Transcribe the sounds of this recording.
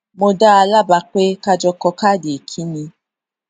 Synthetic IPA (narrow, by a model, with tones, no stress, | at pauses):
mo˧da˦a˧la˦ba˧k͡pe˦ka˧d͡ʒɔ˧kɔ˧ka˦˨de˨kʰi˦nĩ˧